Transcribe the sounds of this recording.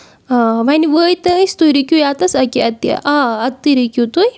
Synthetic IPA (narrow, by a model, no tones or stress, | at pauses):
ʋɐniʋəːjt̪ɐist̪ujɾikʲjujaːt̪ɐsɐkiɐt̪ːḭʔaɐt̪ːiɾikʲjut̪uj